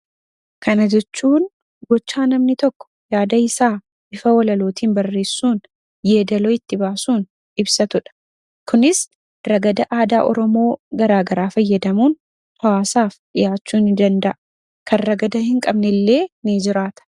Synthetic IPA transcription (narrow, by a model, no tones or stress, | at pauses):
kʰɐnɐd͡ʒɛt͡ʃːuːn | ɡɔt͡ʃːaːnɐmnɪt̪ɔkːɔ̥jaːd̪ɐɪsaː | bɪfɐwɔlɐloːt̪ʰiːnbɐrːe̞ːsːuːn | jeːd̪ɐloːɪt̪ːɪbaːsuːn | ɪbsɐt̪ʊᶑɐ̥ | kʊnɪs | rɐɡɐd̪ɐʔaːd̪aːʔɔ̰ɾɔmo̞ːɡɐɾaːɡɐɾaːfɐjːɐd̪ɐmuːn | t̪ɐwaːsaːfᶑɪjaːt͡ʃːuːnɪd̪ɐnd̪ɐʔɐ | kʰɐrːɐɡɐd̪ɐhɪŋkʼɐbnɛlːe̞ːnid͡ʒɪɾaːt̪ɐ̥